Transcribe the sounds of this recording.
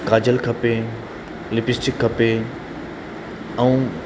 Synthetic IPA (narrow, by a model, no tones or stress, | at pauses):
kaːd͡ʑəlkʰɐpe | lɪpɪsʈɪkʰːɐpe | ɛ̃